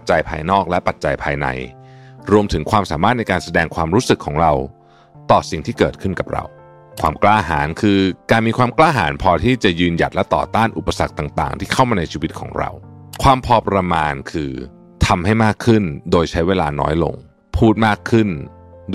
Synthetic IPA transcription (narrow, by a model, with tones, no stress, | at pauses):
t̚t͡ɕa˧jpʰaː˧jnɔː˥˩k̚lɛ˦˥pa˨˩t̪̚t͡ɕa˧jpʰaː˧jna̰˧jɾu˧əmt̪ʰɯ˩˦ŋkʰwaː˧msaː˩˦maː˥˩t̪̚na˧jkaː˧nsa˧dɛː˧ŋkʰwaː˧mɾuː˦˥sɯ˨˩kʰːɔː˩˦ŋɾa˧w | t̪ɔː˨˩si˨˩ŋt̪ʰiː˥˩kɤː˨˩t̪̚kʰɯ˥˩nka˨˩p̚ɾa̰˧w | kʰwaː˧mklaː˧˩ɦa̰ː˩˦nkʰɯː˧kaː˧nmiː˧kʰwaː˧mklaː˥˩ɦa̰ː˩˦npʰɔː˧t̪ʰiː˥˩t͡ɕa˨˩jɯː˧nja̰˨˩t̪̚lɛ˦˥t̪ɔ̰ː˨˩t̪aː˥˩nʔu˨˩pːa˧sa˨˩k̚t̪aː˨˩ŋt̪a̰ː˨˩ŋt̪ʰiː˥˩kʰa˥˩wmaː˧na˧jt͡ɕʰiː˧wi˦˥t̪̚kʰɔ̰ː˩˦ŋɾa̰˧wkʰwaː˧mpʰɔː˧pɾa˧maː˧nkʰɯː˧ | t̪ʰa˧mha˥˩jmaː˥˩kʰːɯ˥˩ndoː˧jt͡ɕʰa˦˥jweː˧laː˧nɔ̰ː˦˥jlo̰˧ŋ | pʰuː˥˩t̪̚maː˥˩kʰːɯ˥˩n